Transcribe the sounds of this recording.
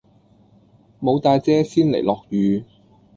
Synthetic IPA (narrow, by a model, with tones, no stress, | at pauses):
mo˨˧wt̪aː˧jt͡sɛː˥siː˥nlḛ˨˩jlɔː˨k̚jyː˨˧